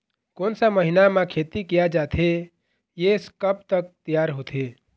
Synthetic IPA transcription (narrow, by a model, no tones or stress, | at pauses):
konsaməɦinamãkʰet̪ikijad͡ʒat̪ʰe | jeskəp̚t̪ək̚t̪ijaːɾɦoːt̪ʰe